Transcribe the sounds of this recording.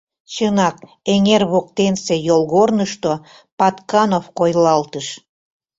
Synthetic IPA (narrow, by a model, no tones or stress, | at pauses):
t͡ɕənɑk̚ | eŋerβok̚t̪ensejolɣornəʃt̪o | pɑt̪kɑnofkojlɑlt̪əʃ